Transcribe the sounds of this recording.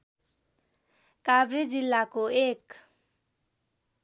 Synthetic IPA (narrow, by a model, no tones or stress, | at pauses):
kabred͡zilːakoek